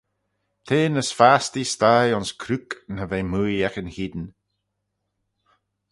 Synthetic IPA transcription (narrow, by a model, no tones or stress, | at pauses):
t̪ʰeːnəsfaːst̪ist̪ajɔnskʰɾuknəveːmuːjɛxənhid̪n